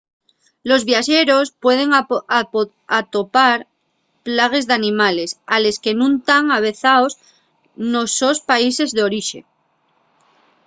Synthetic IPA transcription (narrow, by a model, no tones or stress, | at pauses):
lo̞zβjaʃe̞ɾo̞spwe̞ð̞e̞ŋ | at̪o̞paɾ | plaɣ̞e̞zðanĩmale̞sale̞ske̞nũnt̪aŋaβ̞e̞θaos | no̞so̞spaise̞zðeo̞ɾiʃe̞̰